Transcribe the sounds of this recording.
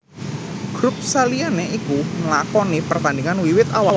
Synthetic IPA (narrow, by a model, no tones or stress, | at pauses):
ɡ̥ɾup̚salianeʔikuməlakɔnipərt̪and̪iŋanwiwɪt̪awa